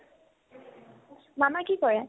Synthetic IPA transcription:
mamakikɔɹɛ

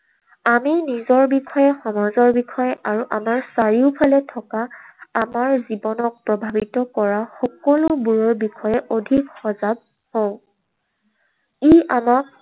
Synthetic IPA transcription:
aminizɔɹbixɔjɛxɔmɔzɔɹbixʰɔjɛʔaɹuʔamaɹsaɹiʊpʰalɛtʰɔkaːmaɹzibɔnɔk̚pɹɔbʱabitɔkɔɹaxɔkɔlʊbuɹɔɹbixʰɔjɛʔodʱikxɔzab̚ | hɔ̃ʊ̃ | iamak̚

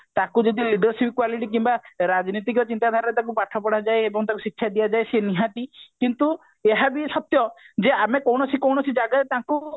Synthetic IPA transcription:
t̪akud͡ʒɔd̪iliɖɔɾsibkwaliʈik̬imbaɾad͡ʒnit̪ikɔt͡ʃint̪ad̪ʱaɾɔɾet̪ak̬upaʈʰɔpɔɽad͡ʒajebɔŋt̪akusikʰsʰad̪ijad͡ʒajsieniɦãt̪ikint̪u | eɦabisɔt̪jɔd͡ʒeamekɔwɽ̃ɔsikɔwñɔsid͡ʒaɡaet̪aku

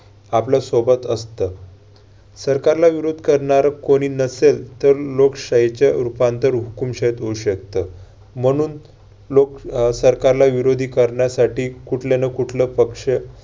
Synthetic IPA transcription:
aplasobət̪əst̪ə | səɾkaɾlaʋiɾod̪ʱkəɾɳaɾkoɽ̃iːnəselt̪əɾlokɕaɦet͡ɕjaɾupant̪əɾɦukumɕəjt̪ɦouɕək̚t̪ə | m̤əɽ̃uːn | loksəɾkaɾlaʋiɾod̪ʱiːkəɾɳjasaʈiːkuʈʰlenəkuʈʰləpəkʂə

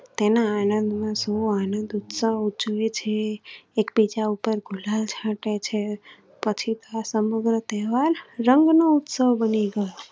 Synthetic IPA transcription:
t̪enaːnənd̪mãsoanə̃nd̪ut̪səʋd͡ʒoet͡ʃʰeːkbid͡ʒaupəɾɡʱulalt͡ʃʰãʈet͡ʃʰe | pət͡ʃʰit̪oasəməɡɾət̪ɛɦʋalːəŋɡnout̪səʋbəniɡəjo

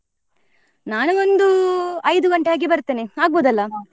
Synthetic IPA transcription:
naːnuond̪uɐjd̪uɡɐɳʈeaːɡibɐɾt̪ːiːniaːɡ̚boːd̪ɐlːɐ

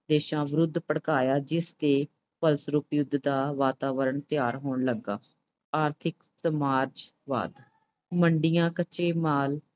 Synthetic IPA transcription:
d̪eːʃãːʋɪɾʊd̪ʱːpəɽkaːjaːd͡ʒɪst̪eː | pəlsɾuːpjʊd̪ʱd̪aːʋaːt̪aːʋəɾəɳt̪ɪjaːɾɦoːɳləɡːa̰ː | aːɾt̪ʰɪksəmaːɾd͡ʒʋa̰ːd̪ | məɳɖɪjãːkət͡ʃeːmaːl

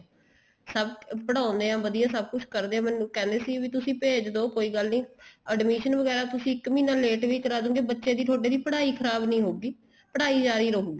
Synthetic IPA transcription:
səbpəɽãːʊ̃nd̪eːãːʋəd̪ijãːsəb̚kʊt͡ʃʰkəɾd̪eːãːmɛːnːũːkɛ̃ːnd̪eːsiːʋiːt̪ʊsĩːpeːd͡ʒd̪oːkoːiːɡəlnĩːəɖmiːʃənʋəɡɛːɾaːt̪ʊsĩːɪkmiːnãːleːʈʋiːkəɾaːd͡ʒõːɡeːbətːʃeːd̪iːt̪ʰoːʈeːd̪iːpəɽaːiːkʰəɾaːbnəĩːɦoːɡiː | pəɽaːiːd͡ʒaːɾiːɾoːkːɡiː

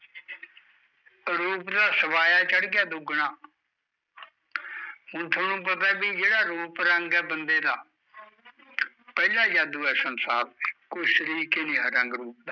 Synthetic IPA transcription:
ɾuːpd̪aːsəʋaːjaːt͡ʃəɽɡɪjaːd̪ʊɡnaː | mʊnt̪ʰoːnũːpət̪aːbiːd͡ʒeːɽaːɾuːpɾəŋɡɛːbənd̪eːd̪aː | pɛːlãːd͡ʒaːd̪uːɛːsənsaːɾkoːisəɾiːkeːnĩːɦəɾəŋɡɾuːp̚d̪aː

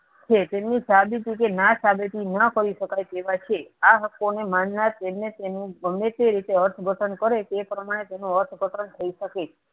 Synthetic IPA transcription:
t͡ʃʰet̪emnisabit̪ikenasabit̪inəkəɾiʃəkajk̪eʋat͡ʃʰeaɦəkːonemanːat̪emnet̪enũɡəmekeɾit̪eəɾt̪ʰɡʱəʈʰənkəɾet̪epɾəmaɽ̃et̪enũəɾt̪ʰɡʱəʈʰənt̪ʰəiʃəket͡ʃʰe

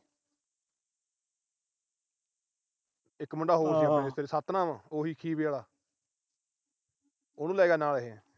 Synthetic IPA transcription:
ɪkməɳɖaːɦoːɾiːəpẽːɪst̪eːɾesat̪nãːmãːoːɦiːkʰiːʋeːɭaː | onũːlaːɡaːnaːlɦeː

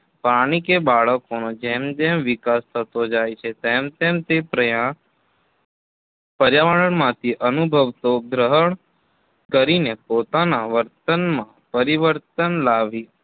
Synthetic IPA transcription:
paɽ̃ikebaɭəkonod͡ʒemd͡ʒemʋikast̪ʰət̪od͡ʒajt͡ʃʰet̪emt̪emt̪epɾəjã | pəɾjaʋəɽəɳmãt̪ʰiʔənubʱəʋt̪oɡɾəɦəɳ | kəɾinepot̪anaʋəɾt̪ənmãpəɾiʋəɾt̪ənlaʋi

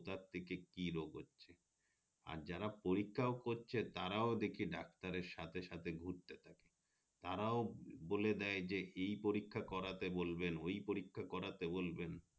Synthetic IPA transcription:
t̪aɾt̪ʰekekiɾoɡɦotːɕʰe | a̰ɾd͡ʑaɾapoɾikʰːaokoɾt͡ɕʰet̪aɾaod̪ekʰiɖak̚t̪aɾeɾʃat̪ʰeʃat̪ʰeɡʱuɾt̪et̪ʰake̥ | t̪aɾaoboled̪ɛed͡ʑeʔejpoɾikʰːakɔɾat̪ebolbenojpoɾikʰːakɔɾat̪ebolben

